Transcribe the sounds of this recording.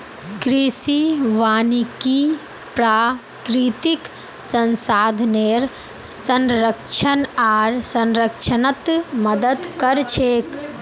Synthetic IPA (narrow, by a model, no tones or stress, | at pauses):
kɾisiʋaːniki | pɾaː | kɾit̪ik | sɐ̃nsaːd̪ʱneːɾ | sɐ̃nɾəkʃʰənaːɾsɐ̃nɾəkʃʰənət̪mɐd̪əd̪kɐɾt͡ʃʰeːk